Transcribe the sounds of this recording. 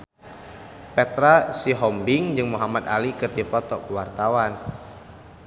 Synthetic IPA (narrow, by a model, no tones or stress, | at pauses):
pɛt̪ɾasiɦɔmbiŋd͡ʒɨŋmuɦamad̪alikɨrdipɔt̪ɔkuwart̪awan